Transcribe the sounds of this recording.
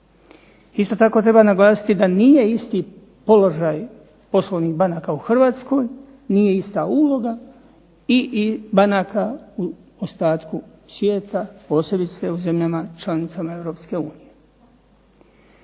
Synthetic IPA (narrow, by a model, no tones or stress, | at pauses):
ist̪o̞t̪ako̞t̪ɾebanaɡlˠaːsi̥t̪id̪anije̞ist̪i | po̞lo̞ʒaj | po̞slˠoʋnixbanakauxr̩ʋaːt̪sko̞j | nije̞ist̪auːlo̞ɡa | iʔibanakau | ost̪aːt̪kusʋje̞ːt̪apo̞ːse̞bit̪seuze̞mʎamat͡ʃlanit̪samae̞ʋɾo̞ːpske̞uːnije